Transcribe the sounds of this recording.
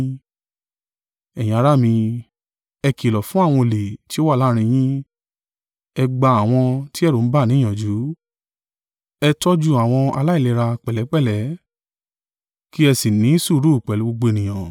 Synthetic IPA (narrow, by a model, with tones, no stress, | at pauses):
ɛ˨jĩ˨a˧ɾa˦mĩ˧ | ɛ˧ki˨lɔ˨fũ˨˦a˦˨w̃ɔ̃˧le˨ti˦o˦wa˦˨la˦ɾ̃ĩ˧j̃ĩ˦ | ɛ˧ɡ͡ba˧a˨w̃ɔ̃˧ti˦ɛ˦˨ɾo˨˦n̩˦ba˦˨nĩ˨˦ã˨d͡ʒu˨˦ | ɛ˧tɔ˦d͡ʒu˧a˨w̃ɔ̃˧a̰˧la˦i˦˨le˨˧˨ɾa˧k͡pɛ˨lɛ˨˦k͡pɛ˦˨lɛ˨˦ | ki˦ɛ˧si˨nĩ˨˦su˦˨˦ɾu˦˨k͡pɛ˨lu˨˦ɡ͡bo˧ɡ͡bo˧e˧˨nĩ˨j̃ã˨